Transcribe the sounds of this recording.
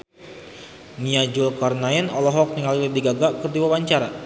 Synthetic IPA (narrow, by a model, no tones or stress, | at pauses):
niad͡ʒʊlkɔrnainɔlɔɦɔk̚niŋalilidiɡaɡaʔkərdiwabaɲt͡ʃaɾa